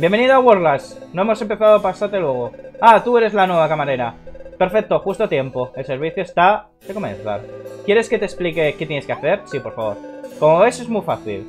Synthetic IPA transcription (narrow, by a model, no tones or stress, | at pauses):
bjembe̞niðoaɣwoɾlasno̞e̞mo̞se̞mpeθaðopasaɾt̪e̞lwe̞ɣ̞o̞at̪ue̞ɾe̞zlanwe̞β̞akamaɾe̞ɾape̞ɾfe̞k̚t̪o̞xust̪oat̪je̞mpo̞e̞lse̞ɾβ̞iθjoest̪a | d̪eko̞mḛ̃nθa̰lkje̞ɾe̞ske̞t̪e̞splike̞ke̞t̪je̞neskeaθe̞ɾsipo̞ɾfaβo̞ɾko̞mo̞βe̞se̞zmufaθḭl